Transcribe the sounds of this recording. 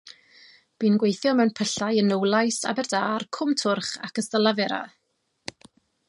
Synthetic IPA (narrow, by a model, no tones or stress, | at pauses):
b̥iːnɡwejθjɔmɛwnpʰəɬajənəwlˠajsa̰bɛrdaːrkʰʊmtʰʊrχakəstəlˠavɛɾa̰